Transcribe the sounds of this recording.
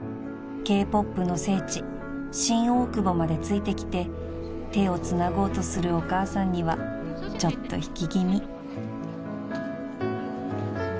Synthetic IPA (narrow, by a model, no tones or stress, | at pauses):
ke̞ːpo̞pːɯ̟no̞se̞ːt͡ɕi | ɕĩɰ̃o̞ːkɯ̟bo̞mad̪e̞t͡sɨit̪e̞kʲi̥t̪e̞ | t̪e̞o̞t͡sɨnaɡo̞ːt̪o̞sɨɾɯ̟o̞kaːsãɲ̟ːiβa | t͡ɕo̞t̪ːo̞̰çi̥kʲiɡʲimʲi